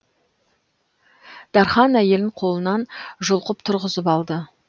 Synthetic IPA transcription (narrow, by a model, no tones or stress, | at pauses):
d̪̥ɑɾχɑnæje̞lɪɴqʰo̞lˠənɑnʒʊlˠqəp̚t̪ʰʊɾʁəzəpɑlˠd̪ə